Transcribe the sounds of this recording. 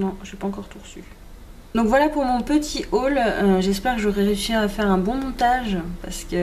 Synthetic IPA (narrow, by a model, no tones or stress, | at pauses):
nɔ̃ʒɛpaɑ̃kɔʁt̪uʁəsy | d̪ɔ̃kvwalapuʁmɔ̃pət̪ʰiʔoløʒɛspɛʁkəʒɔʁɛʁeysiʁafɛʁɛ̃bɔ̃mɔ̃t̪aʒpaʁsə̥kə